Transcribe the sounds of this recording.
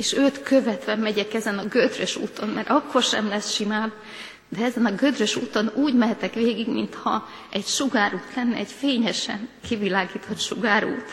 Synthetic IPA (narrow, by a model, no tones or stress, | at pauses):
eːʃøːt̪køvɛt̪ʋɛmɛɟɛkɛzɛnɒɡød̪røʃṵːt̪o̞nmɛɾʔɒkːo̞rʃɛmlɛsʃimaːb | d̪ɛɛzɛnɒɡød̪røʃuːt̪o̞nuːɟmɛɦɛt̪ɛkʋeːɡiɡmint̪hɒ | ɛɟʃuɡaːɾuːt̪lɛnːɛɛɟfeːɲɛʃɛ̰ŋkivilaːɡiːt̪hɒt̪ʃuɡaːɾṵːt̪